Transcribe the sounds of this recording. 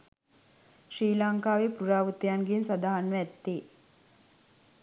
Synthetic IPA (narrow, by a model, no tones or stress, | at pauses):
ʃɾiːlaŋkaːʋepɾuɾaːʋut̪ijanɡensad̪aːɦanːəɛt̪ːeː